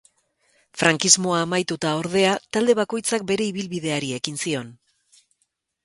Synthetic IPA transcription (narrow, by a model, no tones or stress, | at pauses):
fɾaŋkizmo̞aːmajt̪ut̪ao̞ɾðe̞at̪ald̪e̞β̞ako̞jt͡sak̚be̞ɾe̞iβilβiðe̞aɾie̞kinsio̞n